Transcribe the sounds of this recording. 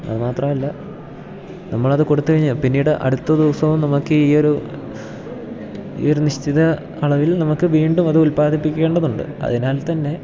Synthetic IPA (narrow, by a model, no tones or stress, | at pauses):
ɐ̰ðɨmaːt̪rɐmɐlːɐ | nɐmːɐɭɐðɨkoɽut̪ːɨkɐɻɲːɐpinːiːɽɨʔɐ̰ɽut̪ːɐd̪uːsɐʋumnɐmukːɨiːo̞ɾu | ḭoɾuniɕt̪iðɐː | ɭɐʋilnɐmukːɨʋiːɳɖumɐðɨulpaːd̪ipːikʲːe̞ːɳɖɐðuɳɖɨ̰ɐ̰ðinaːlt̪ɐnːe̞